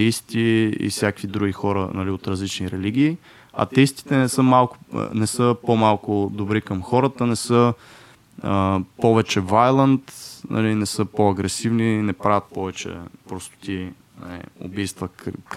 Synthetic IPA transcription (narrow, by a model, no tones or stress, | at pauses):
t̪ɛist̪iḭfsʲjakvid̪ɾuɡʲixɔɾə̰nɐliot̪ɾɐzlit͡ʃniɾɛliɡ̟ʲiː | ɐ̰t̪ɛist̪i̥t̪ɛnɛsəmalˠkʊ̥̰nɛsəpomalˠkʊd̪obɾikəmxɔɾət̪ənɛsɤ | əpɔvɛt͡ʃɛvajlˠənt̪nʔɐ̰linɛsɤpoɐɡɾɛsivninɛpɾavʲɐt̪̚pɔvɛt͡ʃɛ̰pɾɔst̪ʊ̥t̪ʲi | na̰lḭo̰bijst̪və